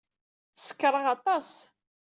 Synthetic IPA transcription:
sə̥kːɾˤəʁɑt̪ˤɑs

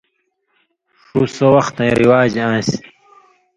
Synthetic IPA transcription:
ʂusɐwɐxt̪ẽĩɾiwaːd͡ʑãːs

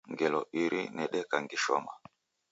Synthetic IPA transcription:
ŋɡɛlɔʔiɾʔinɛɗɛkaŋɡiʃɔ̰ma

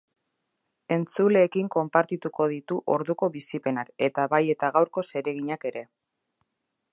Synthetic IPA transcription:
e̞nt͡sule̞ːkiŋko̞mpaɾt̪it̪uko̞ð̞it̪uʔo̞ɾðuko̞βisipe̞nake̞t̪aβaje̞t̪aɣawɾko̞se̞ɾe̞ɣ̞iɲake̞ɾe̞

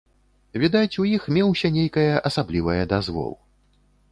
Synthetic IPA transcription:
vʲid̪at͡sʲujixmʲɛwsʲɐnʲejkɐjɐʔɐsablʲivɐjɐd̪azvɔ̰lˠ

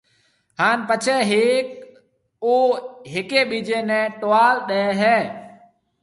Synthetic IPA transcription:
haːnpət͡ʃʰɛːɦeːk | oːɦɪkeːɓiːd͡ʒeːnɛ̃ːʈoʋaːlɗəɛːɦɛː

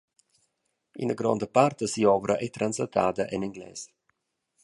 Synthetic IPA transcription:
ḭnəɡrɔ̰ndəpartəsiɔːvəɾəʔɛtransɔtʰa̰ːdəʔɛnɛŋɡlɛ̰ːs

